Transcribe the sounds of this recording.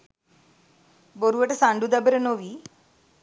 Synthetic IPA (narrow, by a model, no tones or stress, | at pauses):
boɾuʋəʈəsãɳɖud̪əbəɾənoʋiː